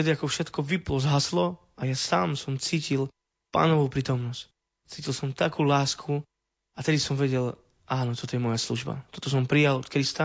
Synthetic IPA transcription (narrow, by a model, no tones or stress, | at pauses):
t̪ɛd̪iakɔfʃɛt̪kɔʋiplɔzɦaslɔ | ajasa̰ːmsɔmt͡siːcil | pa̰ːnɔʋɔʊpɾiːt̪ɔmnɔsc | t͡siːcilˠsɔmt̪akuːlaːskʰu | at̪ɛd̪isɔmʋɛɟɛl | ʔaːnɔt̪ɔt̪ɔjɛmɔjaslṵʒba̰t̪ɔt̪ɔs̬ɔmpɾijalɔt̪kɾist̪a